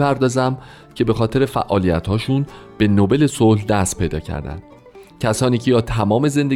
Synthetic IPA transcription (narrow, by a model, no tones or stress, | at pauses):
pæɾd̪ɒːzæm | cʰe̞be̞xɒːt̪ʰe̞ɾe̞fæ̰ʔɒːlijæ̰t̪hɒːʃunb̥e̞nobe̞le̞solhd̪æst̪̚pe̞jd̪ɒ̰ːcʰæ̰ɾd̪æ̰nd̪̥ | cʰæsɒːniːcʰejɒːt̪ʰæmɒːme̞ze̞nd̪e